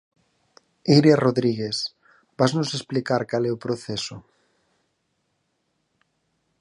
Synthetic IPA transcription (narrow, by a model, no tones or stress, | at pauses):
iɾjaroðɾiɣ̞es | b̥aznʊsesplikaɾkalɛupɾoθɛso